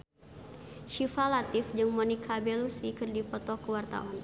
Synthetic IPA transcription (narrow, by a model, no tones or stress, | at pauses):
ʃifalat̪ɪfd͡ʒɨŋmɔnikʰabɛlusikɨrdipɔt̪ɔkəwart̪a̰wan